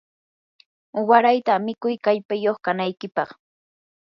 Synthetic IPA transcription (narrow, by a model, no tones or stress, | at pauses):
waɾajt̪amɪkʊjkaʎpajoχkanajkɪpɑχ